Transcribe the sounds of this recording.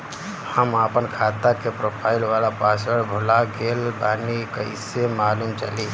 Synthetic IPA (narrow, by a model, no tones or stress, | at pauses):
həmapənkʰat̪akepɾoːpʰaːɪlʋalapasəɽbʱʊlaɡelbanikəɪsemaːlumt͡ʃə̰li